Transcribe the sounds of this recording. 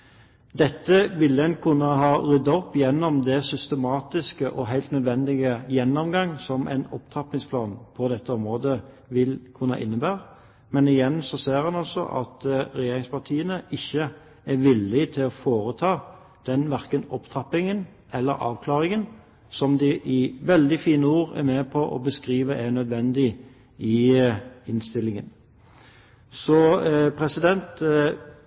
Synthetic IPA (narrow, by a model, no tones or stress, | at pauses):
d̪ɛt̪ːəʋɪlːɛnkʰʉnːəɦɑːʁʏd̪ɔpːjɛnːɔmd̪ɛsʏst̪əmɑːt̪ɪskəʔɔɦæɪlt̪nœd̪ʋɛnd̪ɪɡəjɛnːɔmɡɑŋsɔmɛ̰ɪnɔpt̪ʰɑpːɪŋspʰlɑːnpʰɔd̪ɛt̪ʰːəɔmɾoːd̪ə | ʋɪlkʰʉnːɑʔɪnːəbæːʁə | mɛnɪjɛnːsɔseːɾhɑnɑlsɔ̰ʔɑ̰t̪ɾɛjeːɾʁɪŋspʰɑʁt̪ʰiːənəɪçːə | æɾʋɪlːɪt̪ʰɪlɔfoːɾət̪ʰɑː | d̪̥ɛnʋæʁkənɔpt̪ʰɑpːɪŋən | ʔɛlːə̰ɾʔɑ̰ːʋkʰlɑːʁɪŋən | sɔmd̪ɪʔɪʋɛld̪ɪfiːnəuːɾɛ̰ɾmeːpʰɔʔɔ̰bəskʁiːʋəʔænœd̪ʋɛnd̪ɪ | ɪ | ɪnst̪ɪlːɪŋən | sɔpʰɾɛsɪd̪ɛnt̪